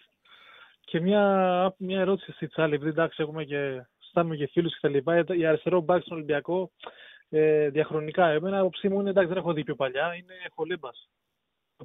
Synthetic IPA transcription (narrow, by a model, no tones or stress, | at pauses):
ce̞mɲɐmɲɐeɾo̞t̪i̥sist̪it̪t͡sɐliep̬iðid̪ɐksie̞xume̞ce̞ | st̪ɐnumecefilusce̞t̪ɐlipɐt̪iɐɾest̪eɾo̞bɐkst̪onolimbiɐko̞ | eðjɐxɾo̞nikɐemenːpo̞psimuinend̪ɐkszðenexoðipçopɐʎɐine̞xolebɐs